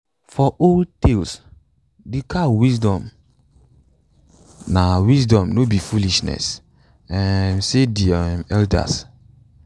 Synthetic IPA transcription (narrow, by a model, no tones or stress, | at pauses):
fɔʔoltels | dikawisdɔ̃m | nawisdɔ̃mnobifuliʃnɛ̰s | ɛ̃nsedimɛlda̰s